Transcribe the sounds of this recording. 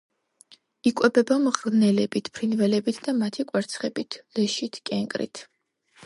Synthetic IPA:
ikʼwɛbɛbamʁɾnɛlɛbit̪ʰpʰɾinvɛlɛbit̪ʰd̪amat̪ʰikʼwɛɾt̪sʰχɛbit̪ʰlɛʃit̪ʰkʼɛŋkʼɾḭt̪ʰ

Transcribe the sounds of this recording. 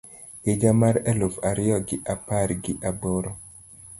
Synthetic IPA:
ed͡ʒamaɾɛlofaɾɪjɔɡɪʔapaɾɡɪʔaboɾɔ

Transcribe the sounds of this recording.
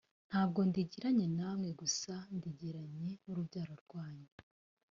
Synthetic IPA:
n̥haːb̚ɡo̞ndiɟiɾaɲe̞namŋe̞ɡusandiɟiɾaɲe̞uɾubɟaːɾo̞ɾɡwaːɲe

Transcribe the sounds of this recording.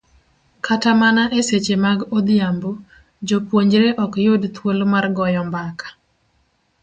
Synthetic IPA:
kʰatamanaʔeset͡ʃemaɡod̪jambo | d͡ʒopwoɲd͡ʒɾeʔɔkjʊdt̪wolmarɡɔjɔmbakʰḁ

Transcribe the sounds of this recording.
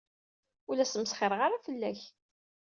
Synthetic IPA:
ulæsəməsχeɾˤəʁaɾˤafəlːæç

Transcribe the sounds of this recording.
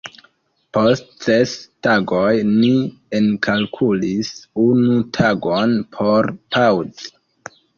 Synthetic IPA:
po̞st̚sestaɡojni | enkʰalkʰulisunutʰaɡo̞npʰo̞ɾpʰawd

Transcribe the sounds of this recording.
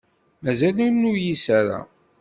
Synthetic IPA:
mæzælunujisaɾa̰

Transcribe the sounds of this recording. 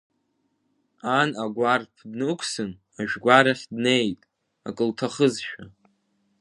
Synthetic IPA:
anaɡʷarpʰdnɨkʷʰsɨn | aʒᶣɡʷaɾaχʲdne̞jtʼ | a̰kʼɨltʰaχəzʃᶣa

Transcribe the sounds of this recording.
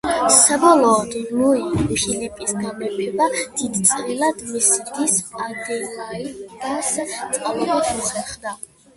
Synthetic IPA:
sabɔlˠɔːd̪luiʃilɛpʼisɡamɛpʰɛbad̪̥id̪t̪sʼɾilad̪misɾd̪isad̪ɛlaiɡast̪sʼqʼalɛbɛt̪ʰuχɛχd̪a

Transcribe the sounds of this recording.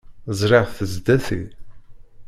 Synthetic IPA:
zˤɾeʁθəzd̪æθḭ

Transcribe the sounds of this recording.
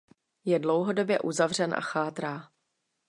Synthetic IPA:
jɛdlo̞wɦodo̞bjɛʔuzavr̝ɛnʔa̰xaːt̪ɾaː

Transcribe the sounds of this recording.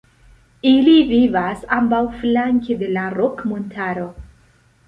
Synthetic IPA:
ilivivasambawflaŋkede̞laɾokmontʰaɾo̞

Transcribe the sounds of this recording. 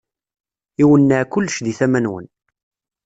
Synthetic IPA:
iwənːaʕkʊlːʃðiθæmænwə̰n

